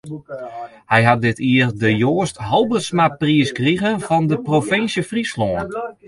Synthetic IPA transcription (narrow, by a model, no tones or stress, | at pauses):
hɛjɦat̚dɪtʰiərdəjoːstɦɔlˠbəsmapriəskriɣənfɔndəprofɪnsjəfrislɔən